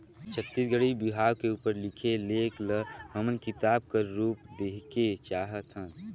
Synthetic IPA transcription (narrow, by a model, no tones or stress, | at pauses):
t͡ʃʰət̪ːit̪ɡəɽibiɦaːwkeuːpəɾlɪkʰeleːkləɦəmənkɪt̪aːbkəɾuːp̚d̪eːket͡ʃaːɦət̪ɦə̃ː